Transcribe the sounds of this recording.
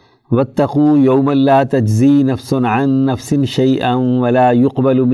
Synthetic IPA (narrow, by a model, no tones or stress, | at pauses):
wɐt̪ːɐquːjawmalaːt̪ad͡ʒziːnɐfsʊnʕanːɐfsɪnʃajʔanwɐlaːjʊqbalm